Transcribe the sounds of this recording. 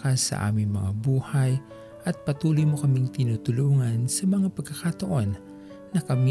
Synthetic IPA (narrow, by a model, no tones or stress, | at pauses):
kasɐ̰ʔa̰ːmɪŋmɐŋa̰buːhaj | ʔɐt̪̚pɐt̪uːlʊjmokɐmɪŋt̪ɪnut̪ʊluːŋɐnsɐmɐŋapɐɡ̚kɐkat̪ɐʔo̞nː | ɐkɐm